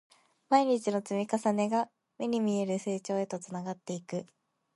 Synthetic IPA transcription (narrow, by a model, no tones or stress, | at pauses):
maiɲ̟it͡ɕino̞t͡sɨmʲikasane̞ɡa | me̞ɲ̟imʲie̞ɾɯ̟se̞ːt͡ɕo̞ːe̞t̪o̞t͡sɨnaɡat̪ːe̞ikɯ̟